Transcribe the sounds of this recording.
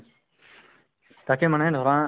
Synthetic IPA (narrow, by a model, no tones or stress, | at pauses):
t̪aːkeːmənẽːd̪ʱoːɾãː